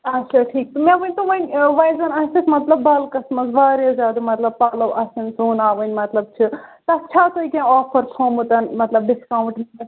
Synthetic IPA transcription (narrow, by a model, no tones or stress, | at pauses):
ɐtːʃʰaʈʰiːk̚t̪umẽʋɐnʲt̪oʋɐnʲʋajzɐnɐsismɐt̪lɐbːɐlkɐsmɐzbaːɾjazjaːd̪ɐmɐt̪lɐb̚paːlɐʋʔɐsɐnsoːnaːʋɐnʲmɐt̪lɐb̚t͡ʃʰit̪ɐɐtːʃʰaːt̪oikʲãɔːpʰɐɾpʰoːmut̪ɐnmɐt̪lɐb̚ɖɪskaːw̃ɳʈmɐ